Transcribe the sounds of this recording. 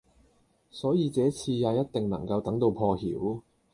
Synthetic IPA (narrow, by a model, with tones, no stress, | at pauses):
sɔː˨˥jiː˧t͡sɛː˨˥t͡sʰiː˧jaː˨˧jɐ˥t̚t̪ɪ˨ŋnɐ̰˨˩ŋkɐ˧wt̪ɐ˨˥ŋt̪o˧wpʰɔː˧hḭː˨˥w